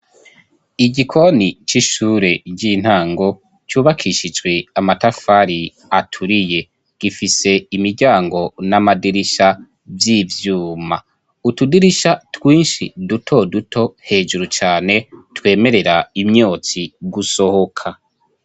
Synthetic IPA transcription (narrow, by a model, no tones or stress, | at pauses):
iɟikʰo̞nit͡ʃiʃuːɾe̞ɟin̥haːŋɡo̞ | t͡ʃuːβakʰiʃid͡ʒɡwe̞amatafaɾi | atʰuɾije̞ | ɡ̥ifise̞imiɾɟaːŋɡo̞namadiɾiʃa | vjivjuːma | utudiɾiʃatwiːnʃidutʰo̞dutʰo̞he̞ːʒuɾut͡ʃaːne̞twe̞ːme̞ɾe̞ɾaimɲo̞ːt͡siɡuso̞ho̞kʰa